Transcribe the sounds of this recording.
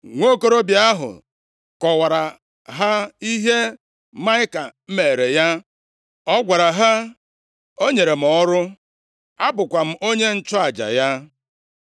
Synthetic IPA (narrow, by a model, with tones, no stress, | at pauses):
ŋʷo˦ko˦ɾo˦bja˦ɦʊ̰˨ | kɔ˨wa˨ɾa˨ | ɦa˦i˦ɦe˦ | ma˦ɪ˦ka˨m̩˦me˨ɾe˨ja˦ | ɔ˦ɡʷa˨ɾa˨ɦa˦ | o˦ɲe˨ɾe˨m̩˨ɔ˦ɾʊ˦ | a˦bʊ˨kʷa˨m̩˦˨ʔo˦ɲe˦n̩˦t͡ʃɔ˦a˨d͡ʒa̰˨ja˦